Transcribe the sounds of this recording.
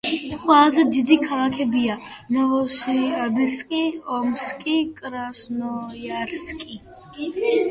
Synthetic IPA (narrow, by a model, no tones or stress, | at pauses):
xwazd̪id̪ikʰalãkʰɛbijanɔɔsbiskʼiɔmskʼikʼɾasnɔjaɾskʼi